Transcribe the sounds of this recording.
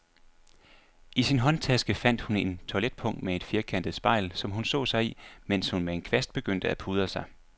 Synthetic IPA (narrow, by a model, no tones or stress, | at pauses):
ʔisinɦɒ̽nt͡sʰæsɡ̥əfæn̰d̥hune̝nt͡sʰoled̥̚pʰɔ̽ŋ̰d̥mee̝d̥fiɐkʰæn̰d̥ð̩ˠsb̥ɑ̈ɪlsɒ̽mɦunsɔ̰̽ːsɑ̈ɪimen̰shunmee̝nkʰʋesd̥̚b̥e̝ɡ̥øn̰d̥əæpʰuð̞ˠəsɑ̈ɪ